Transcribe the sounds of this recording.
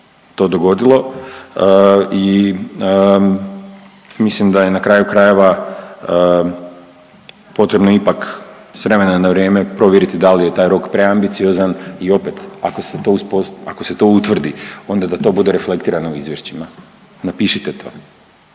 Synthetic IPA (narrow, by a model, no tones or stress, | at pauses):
t̪o̞ːd̪o̞ɡo̞d̪ilˠo̞ | i | mislimd̪aje̞nakɾaːjukɾaje̞ʋaə | po̞t̪ɾe̞bno̞ipak | sʋɾe̞me̞nanaʋɾjeːme̞pɾo̞ʋjeɾit̪id̪alije̞t̪aːjɾo̞kpɾe̞ambit̪sio̞zanio̞pet̪a̰koset̪o̞uspoakose̞t̪o̞ut̪ʋr̩d̪io̞nd̪ad̪at̪o̞ːbud̪e̞ɾe̞fle̞kt̪iːɾanouizʋjeʃt͡ɕima | napiʃit̪et̪ʰo̰ː